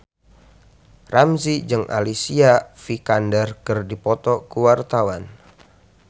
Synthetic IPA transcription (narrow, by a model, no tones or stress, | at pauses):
ramsid͡ʒɨŋʔa̰lisiafikandərkɨrdipɔt̪ɔkuwart̪awan